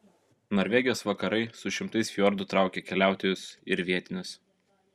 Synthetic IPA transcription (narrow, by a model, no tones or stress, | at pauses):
nɔɾʲʋʲɛɡʲɪjoːsʋɐkɐɾɐɪsʊʃʲɪmt̪ɐɪsfʲjɔɾd̪ʊt̪ɾɑˑʊkʲekʲɛlʲæˑʊt̪ʲejʊsɪɾʋʲiɛt̪ʲɪnʲʊs